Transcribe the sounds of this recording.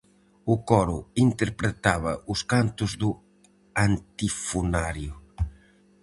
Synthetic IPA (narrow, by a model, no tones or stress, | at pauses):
ʊkɔɾʊint̪eɾpɾet̪aβɐʊskant̪ʊzðʊ | ant̪ifunaɾjʊ